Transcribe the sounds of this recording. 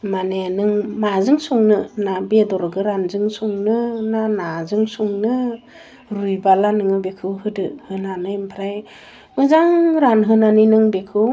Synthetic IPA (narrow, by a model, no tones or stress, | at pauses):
maneanɯŋmazɯŋsuŋnɯnabedɔɾɡɯɾanzɯŋsuŋnɯnanazɯŋsuŋnɯ | ɾujbalanɯŋɯbekʰɯwɦɯdɯhɯnanɯmpʰɾaj | mɯzaŋɾanɦɯnaninɯŋbekʰɯw